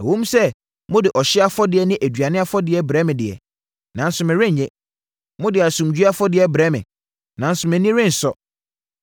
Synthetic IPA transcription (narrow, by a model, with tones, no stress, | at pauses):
æ̰˨wõ˦m˦sɛ˦ | mʊ̃˦dɪ˨ʔɔ˨ɕɪ˦a˦fɔ˦dɪ˨ɛ˨nɪ̃˦ʔæ˨dɥa˨nɪ̃˦a˦fɔ˦dɪ˨ɛ˨˦bɾɛ˦mɪ̃˨dɪ˨ɛ̰˨ | nã˨n̩˦sʊ˨mɪ̃˨ɾɪ̃˦ɲ˨ɲɛ̃˦ | mʊ̃˦dɪ˨a˨sũ˨m˨d͡ʑᶣɥa˦fɔ˦dɪ˨ɛ˦bɾɛ˦mɪ̃˨ | nã˨n̩˦sʊ˨mɪ̃˨nĩ˦ɾɪ̃˦n̩˨sɔ˦